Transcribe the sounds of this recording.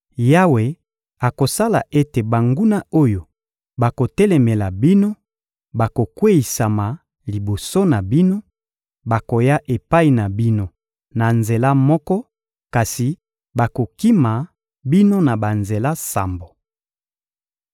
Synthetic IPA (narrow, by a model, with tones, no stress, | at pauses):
ja˦we˨ | a˨ko˨sa˦la̰˨ʔe˦te˨ba˨ŋɡu˦na˦o˦jo˨ | ba˨ko˨tɛ˦lɛ˨mɛ˨la˨bi˦no˦ | ba˨ko˨kwe˦i˨sa˨ma˨ | li˨bo˨so˦na˨bi˦no˦ | ba˨ko˨ja˦ʔe˨pa˦i˨na˨bi˦no˦ | na˨nze˨la˦mɔ˦kɔ˦ | ka˨si˨ | ba˨ko˨ki˦ma˨ | bi˦no˦na˨ba˨nze˨la˦sa̰˨mbo˨